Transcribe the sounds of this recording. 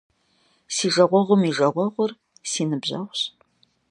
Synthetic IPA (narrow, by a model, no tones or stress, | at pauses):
siːʒɐʁʷɔʁʷʊmiʒɐʁʷɔʁʷʊr | siːnɨbʑɐ̰ʁɕ